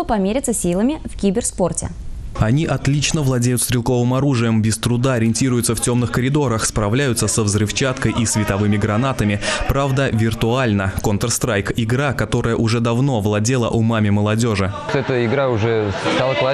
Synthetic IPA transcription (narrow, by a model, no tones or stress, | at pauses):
əpɐmʲeɾʲɪt̪səsʲilˠəmʲɪfkʲibʲɪrspo̞rtʲɪ̰ɐnʲiʔɐt̪lʲit͡ɕnəvlˠɐdʲejʊt̪st̪ɾʲɪlˠko̞vɨmɐɾuʐɨjəmbʲɪst̪ɾʊd̪aɐɾʲɪnʲtʲiɾʊjʊt̪səftʲo̞mnɨxkəɾʲɪd̪o̞ɾəxspɾɐvlʲæjʊt̪səsəvzɾɨft͡ɕat̪kəjʔisvʲɪt̪ɐvɨmʲɪɡɾɐnat̪əmʲɪpɾavd̪əvʲɪrt̪ʊalʲnəkont̪rst̪ɾajkɪɡɾakɐt̪o̞ɾəjəʔʊʐɛd̪ɐvno̞vlˠɐdʲelˠə̰ʔʊmamʲɪməlˠɐdʲo̞ʐɨt̪ɛt̪əɪɡɾaʊʐɛt̪alˠəklˠa